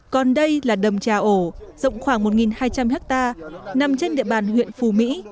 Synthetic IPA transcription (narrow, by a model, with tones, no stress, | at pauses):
kɔ˨˩nɗə˧jlaː˨˩ɗə˨˩ŋ͡mt͡ɕaː˨˩ʔo˧˩zə̰˧˨wŋ͡mxwaː˧˩ŋmo˨˩t̚ŋi˨˩nhaː˧jt͡ɕa˧mhɛ˦˥k̚t̪aː˧na˨˩mt͡ɕe˧nɗḭ˧˨əɓaː˨˩nhwḭ˧˨ənfu˨˩mḭ˧˥